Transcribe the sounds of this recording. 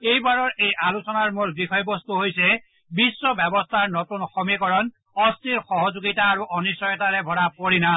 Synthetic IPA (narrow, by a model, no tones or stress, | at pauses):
ejbaɹɔɹejʔalusɔnaɹmulbixɔjbɔstuɦojsɛ | bisːɔbɛbɔstʰaɹnotunxɔmikɔɹɔn | ɔstiɹxɔɦɔzuɡitaːɹuʔɔnisɔjɔtaɹɛbʱɔɹapoɹina